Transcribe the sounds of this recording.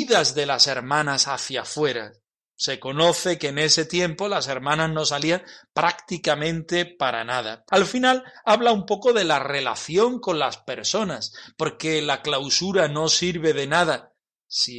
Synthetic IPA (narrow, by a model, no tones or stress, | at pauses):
ðazðe̞lase̞ɾmãnasaθjafwe̞ɾa̰ | se̞ko̞no̞θe̞keːne̞se̞t̪je̞mpo̞lase̞ɾmãnazno̞s̬aliaŋpɾakt̪ikamẽ̞nt̪e̞paɾa̰nað̞a̰alfinalaβlaumpo̞ko̞ðe̞lare̞la̰θjo̞ŋko̞nlaspe̞ɾso̞naspo̞ɾke̞laklawsuɾano̞siɾβe̞ðe̞nað̞a | si